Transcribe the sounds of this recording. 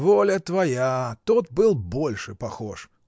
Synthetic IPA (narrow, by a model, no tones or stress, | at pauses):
volʲət̪vɐjat̪ot̪̚bɨlˠbolʲʂɨpɐxoʂ